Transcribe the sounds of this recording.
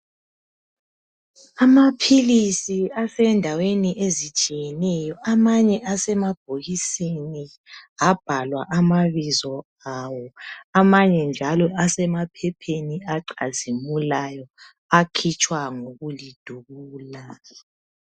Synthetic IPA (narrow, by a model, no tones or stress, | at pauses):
amapʰilisiasɛndʱaweniʔezit͡ʃʼijɛnɛjɔʔamaɲɛʔasɛmab̥ʱoɣiseni | ab̥ʱalwa̰ʔamaβizɔ | awɔamaɲɛnd͡ʒʱalɔʔasɛmapʰɛpʰeniaǃazimulajɔ | akʰit͡ʃʼwaŋoɣulid̥ʱuɣuːla